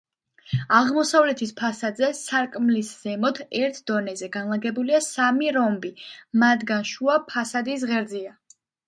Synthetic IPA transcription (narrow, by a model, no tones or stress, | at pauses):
aʁmɔsavlɛt̪ʰispʰasad̪zɛsaɾkʼmlisz̥ɛmɔt̪ʰɛɾt̪ʰd̪̥ɔnɛzɛɡanlˠaɡɛbuliasamiɾɔmbimat̪ɡanʃuapʰasad̪is̬ʁɛɾd̪zia